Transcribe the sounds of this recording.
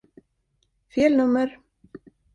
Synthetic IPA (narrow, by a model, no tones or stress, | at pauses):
fjɛːlnuːmʏɾ̥